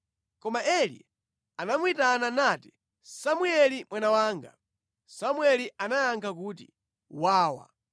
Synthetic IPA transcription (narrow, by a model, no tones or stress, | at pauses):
kɔmaʔɛlḭ | anamwitananati̥ | samuɛlimwʔanawaːŋɡa̰ | samwɛliʔanajaŋɡʰakuːtḭ | waːwa̰